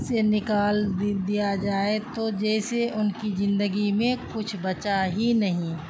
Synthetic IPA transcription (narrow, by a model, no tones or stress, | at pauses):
senɪkaːldd̪ijad͡ʒaːet̪od͡ʒɛːseʊnkizɪ̃nd̪əɡimẽkʊt͡ʃʰbɐt͡ʃaɦinɐɦĩ